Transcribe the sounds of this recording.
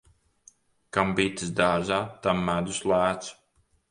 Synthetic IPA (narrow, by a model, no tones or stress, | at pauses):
kambiːt̪ɨsd̪aːʒaːt̪amːæd̪uslˠæːt̪s